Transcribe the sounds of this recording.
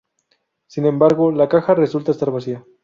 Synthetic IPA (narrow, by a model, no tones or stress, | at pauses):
sinẽ̞mbaɾɣo̞lakaxare̞sult̪aest̪aɾβasia